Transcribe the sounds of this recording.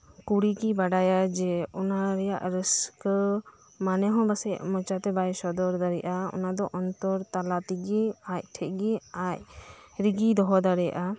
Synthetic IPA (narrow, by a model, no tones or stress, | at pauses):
kuɽikibaɖajad͡ʒɛɔnaɾɛja̰ʔɾəsk | manɛɦɔ̃basɛʔmɔ̃t͡ʃat̪ɛbajsɔd̪ɔɾd̪aɾɛʔaɔ̰nad̪ɔʔɔnt̪ɔɾt̪alat̪iɡɛac̚ʈʰɛʔ̚ɡɛac̚ɾiɡid̪ɔɦɔd̪aɾɛja̰ʔa